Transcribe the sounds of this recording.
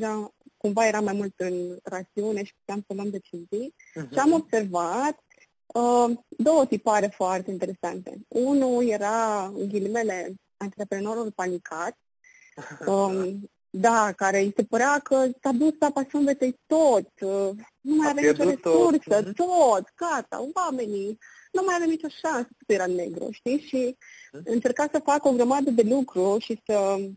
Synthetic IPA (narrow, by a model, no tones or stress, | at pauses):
ɾakumvaɛɾamajmult̪ɨnrat͡s̪iɔnɛʃi̥kut̪amsɔlɔnd̪ɛt͡ʃizi | t͡ʃamɔbsɛɾvat̪ | əd̪ot̪ipaɾɛfuaɾt̪ɛint̪ɛɾɛsant̪ɛ̰unujɛɾaəŋɡilimɛlɛ | ant̪ɾɛpɾɛnoɾulpanikʰat̪̚ | d̪akaɾɛiʃt̪ɛpəɾakət̪abust̪apasɔnvɛt̪ɛt̪ɔt̪ | numajaɾɛt͡ʃɔɾɛsuɾsət̪ɔt̪kat̪a̰uvamɛni | numajavɛmit͡ʃɔʃanst̪ɔ̥t̪ɛɾanɛɡɾɔ̰ʃt̪iʃiənt͡ʃəɾkasəfakɔɡɾamad̪əðɛlukɾuʃiʃsə